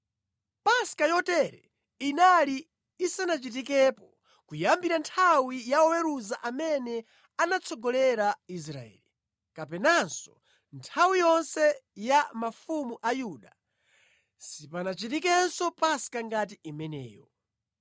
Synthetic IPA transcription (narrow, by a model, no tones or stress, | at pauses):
paskajɔtɛɾɛ | inaliː | sanat͡ʃitikɛpɔ | kujambiɾantʰawijaɔwɛɾuzaʔamɛnɛ | anat͡sʰɔɡɔlɛɾais̬ɾa̰ɛ̰li | kapɛnansɔ̥ | ntʰawijɔnsɛjamafumuʔajuɗa | sipanat͡ʃitikɛnsɔpaskaŋɡat̬iʔimɛnɛ̰ːjɔ